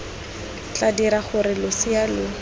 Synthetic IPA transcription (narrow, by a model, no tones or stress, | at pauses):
t͡ɬadiɾaχʊɾɪlʊsɪalʊ